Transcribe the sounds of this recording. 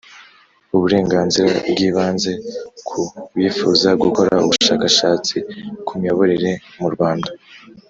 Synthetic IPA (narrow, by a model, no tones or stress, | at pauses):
uβuɾe̞ːŋɡaːnziɾabɡiːβaːnze̞kʰuβiːfuzabɡuko̞ɾaṵβuʃaːkaʃaːt͡sikʰumjoβoɾiɾe̞muɾɡwaːnda